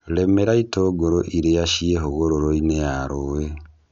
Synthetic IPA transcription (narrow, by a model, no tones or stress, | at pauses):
lemeɾaitoɡoɾoʔiɾejaʃieɦoɣoɾoɾoinejaɾowe